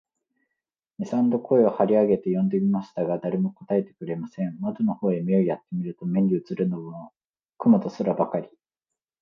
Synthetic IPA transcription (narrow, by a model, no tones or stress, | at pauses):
mʲisãnd̪o̞kʰo̞eohaɾʲiaɡe̞t̪e̞jõ̞nd̪e̞mʲimaɕi̥t̪aɡad̪aɾe̞mo̞ko̞̥t̪ae̞t̪e̥kɯ̟ɾe̞masẽ̞mmad̪ono̞ho̞ːemieojat̪ːe̞mʲiɾɯ̟t̪o̞mẽ̞ɲʲɾʲɯːt͡sɨɾɯ̟noβ | kɯ̟mot̪o̞sɨɾabakaɾʲi̥